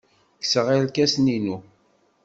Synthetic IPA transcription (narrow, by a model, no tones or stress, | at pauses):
ksəʁilkæsninu